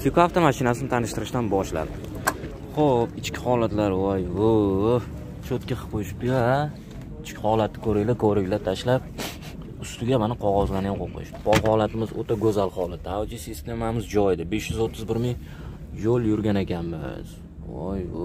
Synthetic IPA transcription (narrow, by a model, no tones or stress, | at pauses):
sɪkoaft̪amaʃɪnasɪnɪt̪ʰanɪʃt̪ɪɾɪʃt̪anbɒʃla̰ɾd̪ɪ | χopɪt͡ʃkʲɪhɒlat̪laɾɒjʊ | t͡ʃʰot̪kʲaqʰɨ̥qojɪʃɪ̥p̚t̪ɪa | ɪt͡ʃkʲɪhɒlat̪ːɪ̥kʰɵɾɪɡlakʰoɾɪɡʲlat̪ʰaʃlap̚ | ʊst̪ʊɡʲamanɪqʰɒʁɒzlanɡʲaqʰoqʰɪ̰ʃpʰɒlˠhɒlˠat̪ʰɪmɪzot̪ʰaɡɵzalˠhɒlˠɪt̪ʰawd͡ʒisist̪ʰe̞mamɪzd͡ʒɒjd̪ɪbeʃjʏzot̪ʰːɪzbɪɾmɪŋ | jolˠjʊɾɡʲanekʲʰanmɪ̰z̥ | ɒ̰jʊ̰